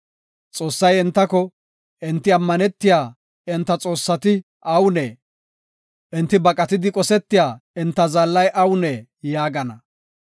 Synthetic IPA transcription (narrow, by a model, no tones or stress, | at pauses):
t͡sʼo̞ːsːɐjɪnt̪ːɐkɔ | ʔɪnt̪ːɪɐmːɐnɛt̪ːɪjaː | ɪnt̪ːɐt͡sʼo̞ːsːɐt̪ɪ | ʔɐwnɛ | ʔɪnt̪ːɪbɐkʼɐt̪ɪd̪ɪkʼɔsɛt̪ːɪjaːɪnt̪ːɐzɐlːɐjʔɐwnɛjaːɡɐnɐ